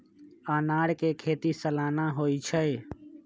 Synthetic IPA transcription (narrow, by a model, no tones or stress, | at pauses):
aːnaːɽkekʰeːt̪isəlaːnaɦoːit͡ʃʰəj